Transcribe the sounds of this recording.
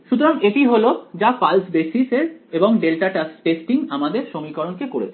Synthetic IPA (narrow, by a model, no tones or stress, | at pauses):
ʃut̪̬oɾaŋeʈiɦolod͡ʑafalsbesiseɾeboŋɖelʈaʈasʈesʈiŋamad̪eɾʃomikɔɾonkekoɾḛt͡ɕʰe